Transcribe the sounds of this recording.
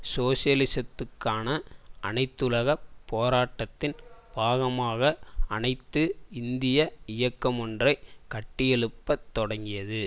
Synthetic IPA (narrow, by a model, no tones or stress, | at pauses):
soːsɪjɐlɪsɐt̪ːɯkːaːnɐʔɐ̰nɐɪt̪ːɯlɐɣɐpːoːɾaːʈːɐt̪ːɪnbʱaːɣɐmaːɣɐɐnɐɪt̪ːɯɪnd̪ɪjɐɪjɐkːɐmɔndrɐɪkɐʈːɪjɛɭɯpːɐt̪ːɔɽɐŋɡɪjɐðɯ